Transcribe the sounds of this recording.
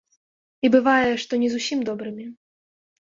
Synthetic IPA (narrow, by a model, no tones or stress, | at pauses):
ibɨvajɛʂt̪ɔnʲɛzusʲimd̪ɔbɾɨmʲi